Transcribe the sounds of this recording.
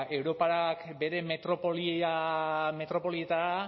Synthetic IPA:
e̞wɾo̞paɾakbe̞ɾe̞me̞t̪ɾo̞poliame̞t̪ɾo̞po̞lie̞t̪aa

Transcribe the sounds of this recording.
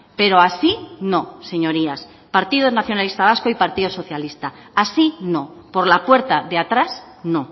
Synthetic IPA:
pe̞ɾo̞asino̞se̞ɲo̞ɾias | paɾt̪ið̞onaθjo̞nalist̪aβaskoipaɾt̪iðoso̞θjalist̪a | asino̞po̞ɾlapwe̞ɾt̪aðeat̪ɾas | no̞

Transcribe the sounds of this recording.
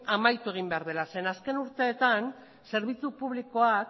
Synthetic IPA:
amajt̪ue̞ɣ̞imbe̞aɾð̞e̞lase̞naske̞nuɾt̪e̞ːt̪an | se̞ɾβit͡supuβliko̞ak

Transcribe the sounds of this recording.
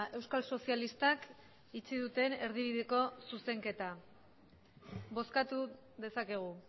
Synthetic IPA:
e̞wskalso̞sialist̪ak | it͡siðut̪ene̞ɾðiβ̞iðeko̞suse̞ŋke̞t̪a | βo̞skat̪u | ðe̞sake̞ɣ̞u

